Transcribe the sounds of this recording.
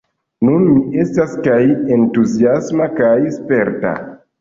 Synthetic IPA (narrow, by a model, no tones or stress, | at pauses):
nunmiʔe̞staskaje̞ntuziasmakajspe̞ɾta̰